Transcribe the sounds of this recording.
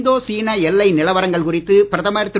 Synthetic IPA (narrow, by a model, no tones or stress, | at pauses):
d̪oːsiːnɐɛlːɐɪnɪlɐʋɐɾɐŋɡɐɭkʊrɪt̪ːɯpɪɾɐðɐmaːjɪɾɐt̪ːɪ